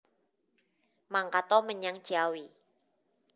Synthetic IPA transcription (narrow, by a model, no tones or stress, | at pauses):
maŋkat̪ɔməɲaŋd̥ʒ̥awi